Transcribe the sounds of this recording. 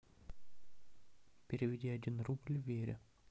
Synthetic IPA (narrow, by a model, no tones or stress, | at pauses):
pʲɪɾʲɪvʲɪdʲiadʲinrublʲvʲeɾʲɪ̰